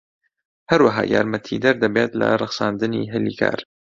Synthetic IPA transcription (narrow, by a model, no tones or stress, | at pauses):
hɐɾwaɦɑ̰ːjaːɾmɐt̪ʰid̪ɐɾd̪ɐbeːt̪lɐ̰rˤɨxsaːnd̪ɨniɦɪlikʰa̰ːɾ